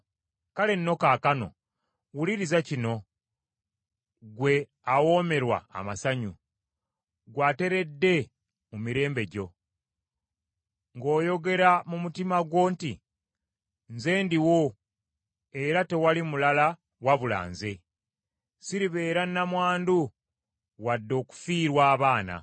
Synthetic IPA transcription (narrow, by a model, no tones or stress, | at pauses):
kale̞nːo̞kakano̞̰ | wuliɾizacino̞ | ɡwe̞ | awo̞ːme̞ɾwa̰ːmasaɲu | ɡwaːte̞ɾe̞dːe̞ | mumiɾe̞ːmbe̞ɟo̞ | ŋɡo̞ːjo̞ɡe̞ɾamumutimaɡwo̞ːnti | nze̞ːndiwo̞ | e̞ɾate̞walimulala | waβula̰ːnze̞ | siɾiβe̞ːɾanːamwaːndu | wadːo̞ːku̥fiːɾwaːβaːna̰